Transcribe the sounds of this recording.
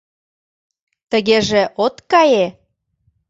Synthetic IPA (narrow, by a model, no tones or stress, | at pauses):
t̪əɣeʒeʔot̪kɑje